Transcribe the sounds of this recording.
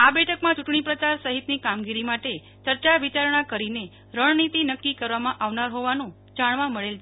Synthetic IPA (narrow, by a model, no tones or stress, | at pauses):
abɛʈʰəkmãt͡ʃuʈɳipɾət͡ʃaɾsəɦit̪nikamɡiɾimaʈe | t͡ʃəɾt͡ʃaʋit͡ʃaɾɳ̃akəɾine | ɾəɳnit̪inəkːikəɾʋamãʔaʋnaɾɦoʋanũ | d͡ʒaɳʋãməɭel